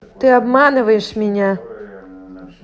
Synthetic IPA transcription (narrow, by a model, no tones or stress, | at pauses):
t̪ɨabmanɨvɐjɛʂmʲɛnʲa